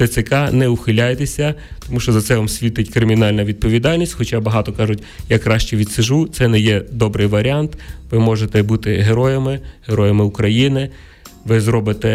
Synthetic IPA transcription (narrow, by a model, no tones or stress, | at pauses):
ɛsʲɪkɑnɛʊxɪlʲajet̪esʲɐt̪ɔmuʃt͡ʃɔzɐt̪sɛʋɐmsʲʋʲit̪ɪtʲkɾɪmʲinɑlʲnɐʋʲid̪̚pɔʋʲid̪ɑlʲnʲisʲtʲxɔt͡ʃɑbɐɦɑt̪ɔkɑʒʊtʲjakɾɑʃt͡ʃiʋʲid̪sɪʒut̪sɛnɛjɛd̪ɔbɾɪjʋɐɾʲiɑnt̪ʋɪmɔʒet̪ɛbut̪ɪɦeɾɔjemɪheɾɔjemɪʊkɾɐjinɪ | ʋɪzɾɔbɪt̪ɛ